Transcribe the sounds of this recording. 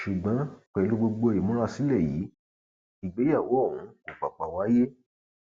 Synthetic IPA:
ʃu˨ɡ͡bã˨˦k͡pɛ˧˦lu˧ɡ͡bo˧ɡ͡bo˧˨i˨mũ˦ɾ̃ã˦˨si˨˦lɛ˦˨jiː˨˦ | i˨ɡ͡be˨˦ja˦˨wo˨˦˨wũ˨˦o˨k͡pa˨k͡pa˨wa˨˦je˦

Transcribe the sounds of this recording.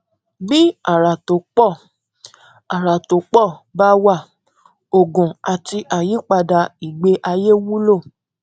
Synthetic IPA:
bi˦a˨ɾa˨to˨˦k͡pɔ˦˨ | a˨ɾa˨to˨˦k͡pɔ˦˨ba˦wa˦˨ | o˨ɡũ˨a˨ti˧ʔa˨ji˨˦k͡pa˧da˧i˨ɡ͡be˧˦ʔa˧je˦wu˦lo˦˨

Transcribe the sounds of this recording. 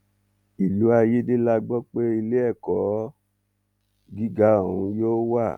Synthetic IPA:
i˨lu˨˦a˧je˦de˦la˦ɡ͡bɔ˦k͡pe˦i˧le˦ɛ˦˨kɔ˨˦ | ɡi˦ɡa˦o˦˨ũ˧joː˦wa˦˨

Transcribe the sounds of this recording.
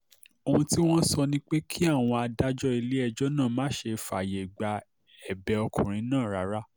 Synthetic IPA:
o˧hũ˧ti˦w̃ɔ̃˦sɔ˧nĩ˦k͡pe˦kʰi˦a˦˨w̃ɔ̃˧a˧da˦d͡ʒɔ˦i˧le˦ɛ˧d͡ʒɔ˦nã˦˨mãː˦ʃe˧fa˨je˨ɡ͡ba˨ | ɛ˨bɛ˧ɔ˧kṵ̃˨ɾ̃ĩ˨˦nãː˦˨ɾa˨˦ɾa˦

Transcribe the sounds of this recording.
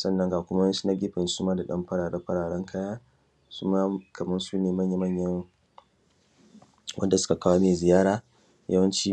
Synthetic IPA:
sɐ˦nːɐ˦ŋɡaː˨kʷʊ˦mɐ˦si̥˦na˦ɡʲɪ˦ɸɪ˨nsu˦maː˦da˨ɗɐ˦mɸɐ˦ɽaː˨ɽɐ˦ɸɐ˦ɽaː˨ɽɐ˦ŋkʰɐ˦jaː˦ | su˦ma˦kɐ˨mɐ˦nsuː˦neː˨mɐ˦ɲja˦mɐ˦ɲjɐ˦ŋ | wɐ˦nda˨sʊ̥˦ka˨kaː˦wa˦meː˨zɪ˨jaː˦ɾaː˨ | jɐ̰˦wɐ˦nt͡ʃiː˦

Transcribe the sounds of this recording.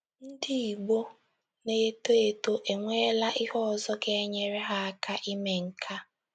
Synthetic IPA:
n̩˦dɪ˦i˨ɡ͡bo˦ | ne˨e˦to˦e˨to˦ʔe˨ŋʷe˦la˦ʔi˦hɔ˦˨zɔ˦ɡe˦ɲe˨ɾe˦ɦa˦a˦kʰa˦ʔi˦me˨ŋ̩˨kʰa˦

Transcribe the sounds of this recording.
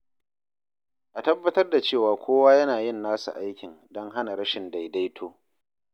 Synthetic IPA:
ʔa˨tɐ˦bːɐ˦tɐ˦rda˨t͡ʃeː˦˨waː˨kʷoː˦waː˦jɐ˦naː˨jɪ˦˨nːaː˦sṵ˨ʔa˦jkʲɪ˨n | dɔ˦ŋɦa˦na˨ɾɐ˦ʃɪ˨nda˨jda˦jtʰoː˦

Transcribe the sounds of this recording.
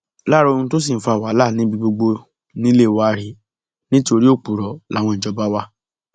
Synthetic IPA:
la˦˨ɾɔ˦˧o˧nũ˧˦to˦s̬i˦˨n̩˦fa˨wa˨˦la˦˨nĩ˨˦bi˧ɡ͡bo˧ɡ͡bo˧ | nĩ˦le˦˨wa˧˨ɾi˨˦ | nĩ˦to˧ɾi˦o˦˨k͡pu˨ɾɔ˨la˨˦˨w̃ɔ̃˧n̩˨d͡ʒɔ˧˦ba˦wa˦

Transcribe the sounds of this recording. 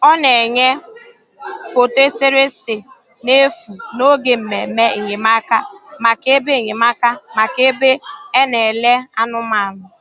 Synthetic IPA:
ɔ˦ne˨ɲe˦ | fo˨te˦se˦ɾe˦sɪ˨ | ne˦fu˨no˦ɡe˨m̩˨me˨˦me˦e˨ɲɪ˨ma˦ka˦ma˨ke˦be˦˨ɲe˨ma˦ka˦ma˨ke˦be˦e˦ne˨le˦a˦nʊ˦ma˨nʊ˨

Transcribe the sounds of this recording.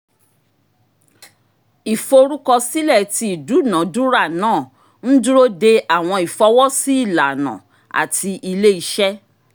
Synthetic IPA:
i˨fo˧ɾu˦kɔ˧si˦lɛ˦˨ti˧i˨du˨˦˨nã˨˦du˦ɾa˦˨nãː˦˨ | n̩˦du˦ɾo˦de˧a˨w̃ɔ̃˧i˨fɔ˨˦wɔ˦si˦i˦˨la˨nã̰˨ | a̰˨tʰi˧ʔi˧le˦i˧ʃɛ˦

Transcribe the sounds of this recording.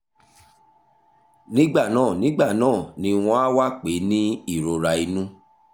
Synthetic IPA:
nĩ˦ɡ͡ba˦˨nãː˦˨nĩ˦ɡ͡ba˦˨nãː˦˨nĩ˧w̃ɔ̃˧˦a˦wa˦˨k͡pe˨˦nĩ˦i˦˨ɾo˨ɾa˧i˧nũ˦

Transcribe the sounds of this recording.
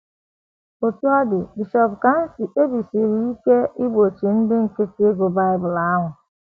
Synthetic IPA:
o˨tu˦ɔ˦dɪ˨bi˨ʃɔ˨pka˨n̩˦sɪ˨ʔe˦bi˨si˨ɾi˨i˦ke˦ɪ˦ɡ͡bo˨t͡ʃi˨n̩˦dɪ˦ŋ̩˨ke˦ke˦ɡo˨ba˦ɪ˦bʊ˨la˦ɦʊ˨

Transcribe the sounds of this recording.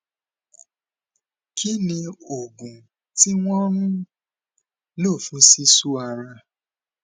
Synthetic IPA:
kʰi˦nĩ˧o˨ɡũ˨ | ti˦w̃ɔ̃˦ɾ̃ũ˦ | lo˦˨fũ˨˦si˦su˦a˧ɾa˧

